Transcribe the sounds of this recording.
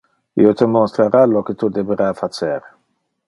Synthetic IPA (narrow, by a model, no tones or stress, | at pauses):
ḭot̪əmost̪ɾəɾalokət̪ud̪evəɾafat͡ʃɛɾ